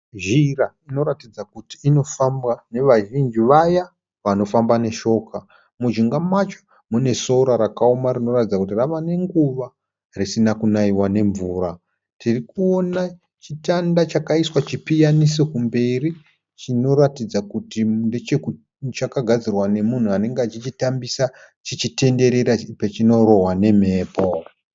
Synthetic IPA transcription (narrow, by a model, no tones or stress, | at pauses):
ʒiraino̞ɾatid͡zakutiːno̞fambwane̞ʋaʒind͡ʒiʋaja | ʋano̞fambane̞ʃo̞ːka | mud͡ʒiŋɡamat͡ʃo̥ | mune̞soɾaɾakaomarino̞ratid͡zakutiraʋane̞ŋɡuʋa | risinakunaiwane̞ɱvuːɾa | tʰirikuo̞na | t͡ʃitandat͡ʃakaiswat͡ʃipijanisekumbe̞ri | t͡ʃino̞ratid͡zakutinde̞t͡ʃe̞ku | t͡ʃakaɡʱad͡zirwane̞mun̤uane̞ŋɡeat͡ʃit͡ʃitambisa | t͡ʃit͡ʃite̞nde̞ɾe̞ɾapet͡ʃino̞ɾo̞ɦwane̞m̤e̞ːpo